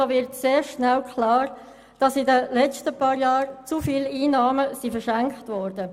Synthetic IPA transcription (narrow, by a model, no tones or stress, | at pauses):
oːʋɪɾtseːɾʃnɛlkʰlɑːɾ | d̥ɑsidəlɛt͡stəpɑːɾjɑːɾt͡sufiːliːnɑːməsifəʃæŋkχtʋɔɾdə